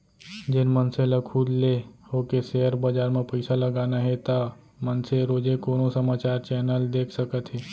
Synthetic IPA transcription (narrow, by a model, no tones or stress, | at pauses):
d͡ʒɪnmənseləkʰuːd̪lehoːkeseəɾbɐd͡ʒaːɾmẽpɐɪsalɐɡaːnaɦɛt̪a | mənseɾoːd͡ʒekoːnõsɐmaːt͡ʃaːɾt͡ʃɛːnəld̪eːkʰsɐkət̪ɦɛː